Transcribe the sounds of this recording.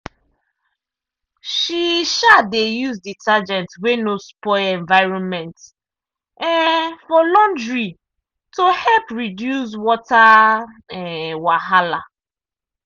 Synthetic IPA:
ʃiʃadejuzditad͡ʒɛ̃ntwenospɔɪɛ̃ɱvaɪɹɔ̃nmɛ̃nt | ɛfɔlɔ̃ndɹi | tohɛlpɹidjus̬wɔtaɛwaɦala̰

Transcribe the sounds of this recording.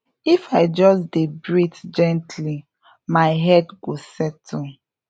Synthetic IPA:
ifaɪd͡ʒɔsdebɹitd͡ʒɛ̃ntʰli | maɪɦɛdɡosɛtʰɔ̃n

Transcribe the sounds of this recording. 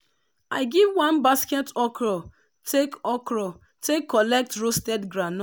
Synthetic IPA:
aɪɡivwãnbaskɛtɔkɾɔ | tʰekɔkɾɔ | tekːɔlɛk̚tɾostɛdɡɾanɔ

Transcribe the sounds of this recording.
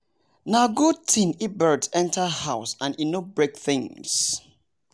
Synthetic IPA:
naɡutʰĩnibədɛ̃ntʰəhaʊsãninobɹek̚θɪ̃ŋs

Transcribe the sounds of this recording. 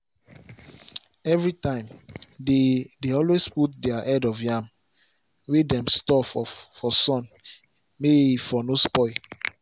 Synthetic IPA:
ɛvɹitãɪ̃mdedeɔlwesputdɛaʔɛdɔfjam | widɛ̃mstɔfɔfɔsɔ̃n | meifɔnospɔɪ

